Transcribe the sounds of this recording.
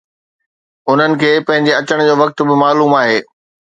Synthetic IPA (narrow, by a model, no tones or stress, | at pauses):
ʊn̤ənɪ̆kʰeːpɐ̃ɦɪ̃ɲd͡ʑeɐt͡ɕəɽ̃d͡ʑoːʋɐk̚t̪ʊbɪmaːluːmaːɦeː